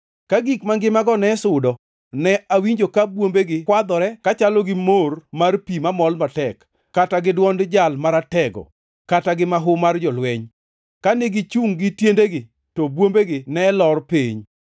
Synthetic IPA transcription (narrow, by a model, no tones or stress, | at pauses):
kaɡikmaŋɡɪmaɡɔnɛsʊdɔ | nɛʔawiɲd͡ʒokabwombeɡɪkwad̪ɔɾɛkat͡ʃalɔɡɪmormarpimamɔlmatɛkː | ataɡɪdwɔndd͡ʒalmaɾatɛɡɔ̰ | kataɡɪmaɦʊmard͡ʒɔlwɛɲ | kaneɡɪt͡ʃuŋɡɪtjendeɡɪ | tɔbwombeɡɪnɛlɔrpeɲ